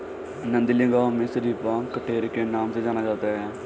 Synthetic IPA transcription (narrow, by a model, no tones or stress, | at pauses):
nə̃nd̪ilɪ̃ŋɡaɦmẽsəɾiːpãkəʈeːɾkenaːmsed͡ʒaːnad͡ʒaːt̪aɦɛː